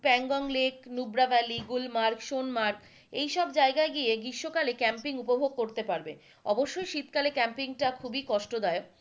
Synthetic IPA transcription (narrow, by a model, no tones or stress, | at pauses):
pɛŋɡɔŋleknubɾabɛliɡulmaɾkʃonmaɾk | ejʃɔb̚d͡ʑaeɡaeɡieɡɾiʃːokalekɛmpiŋupobʱoɡ̚koɾt̪epaɾbe | ɔ̰boʃːojʃit̪kalekɛmpiŋʈakʰubikɔʃʈod̪ɔe